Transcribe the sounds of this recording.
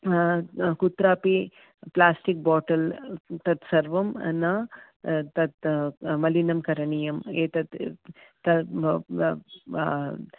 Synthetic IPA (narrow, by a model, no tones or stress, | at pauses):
kut̪ɾaːpi | plaːsʈik̚bɔːʈɐlt̪ɐt̪sɐɾʋɐmnɐ | t̪ɐt̪mɐlinɐmkɐɾɐɳijɐmet̪ɐt̪t̪ɐ